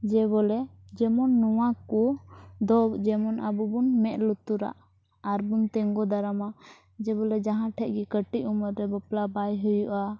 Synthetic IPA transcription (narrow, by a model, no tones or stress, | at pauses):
d͡ʒɛbɔlɛd͡ʒɛmɔnːuwakud̪ɔd͡ʒɛmɔnʔa̰bubunmɛʔ̪̚lut̪uɾa̰ʔ | aɾbunt̪ɛŋɡɔd̪aɾama | d͡ʒɛbɔlɛd͡ʒaɦãʈʰɛʔ̚ˀɡikəʈiʔuməɾːɛbəplabajɦujuʔa